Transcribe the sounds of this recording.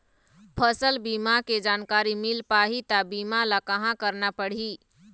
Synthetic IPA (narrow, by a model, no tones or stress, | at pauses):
pʰəsəlbimaked͡ʒankaɾimilpaɦit̪abimalakəɦãkəɾnapəɽ̤i